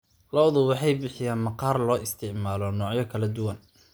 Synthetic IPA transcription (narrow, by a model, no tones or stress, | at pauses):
lɔwðʊwɑħɑjbɪħɪjaːnmɑqɑːrlɔːʔɪst̪ʰɪʕmaːlɔnɔːʕjɐkʰɐlɐd̪ʊwɐn